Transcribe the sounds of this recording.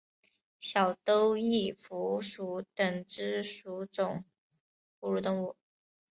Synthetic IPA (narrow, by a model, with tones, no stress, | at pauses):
ɕjɑ˨˩ʊt̪o˥ʊi˥˩fu˧˥ʂu˧˥t̪ə˨˩ŋʈ͡ʂɻ̩˥ʂu˧˥ʈ͡ʂʊ˨˩ŋ | pu˧˥ɻu˥˩t̪ʊ˥˧ŋu˥˩